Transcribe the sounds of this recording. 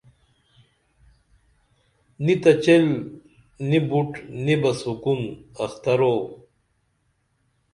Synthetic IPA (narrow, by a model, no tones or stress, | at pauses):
nit̪ɐt͡ɕel | nibuʈnibɐsukunɐxt̪ɐɾo